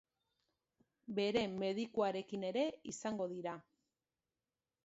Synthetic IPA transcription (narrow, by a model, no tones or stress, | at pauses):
be̞ɾe̞me̞ðikuaɾe̞kine̞ɾe̞isaŋɡo̞ðiɾa